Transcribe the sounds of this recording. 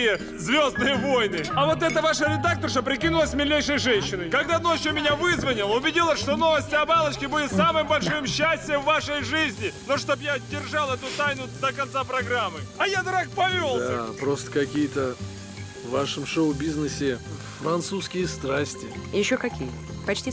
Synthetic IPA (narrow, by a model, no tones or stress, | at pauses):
jə | zvʲo̞zd̪nɨjəvo̞jnɨɐvo̞t̪ɛt̪əvaʂəɾʲɪd̪ak̚t̪əʂəpɾʲɪkʲinʊlˠəsʲmʲɪlʲːejʂəjʐɛnʲɕːɪnəjkɐɡd̪anoʃomʲɪnʲavɨzvənʲɪlˠəʊbʲɪdʲilˠəʂt̪o̞no̞vəsʲtʲɪɐbalˠət͡ɕkʲɪbudʲɪt̪samɨjmbɐlʲʂɨmɕːæsʲtʲɪjəvːaʂəjʐɨzʲnʲɪnoʂt̪o̞bjadʲɪrʐalˠɛt̪ʊt̪ajnʊd̪əkɐnt̪sapɾɐɡɾamːɨɐjad̪ɾak̚pɐvʲold̪apɾost̪ə̥kɐkʲijət̪ə | vːaʂəmʂoʊbʲiznɨsʲɪ | fɾɐnt̪suskʲɪjəst̪ɾasʲtʲɪjɪɕːokɐkʲḭjə | pɐt͡ɕtʲi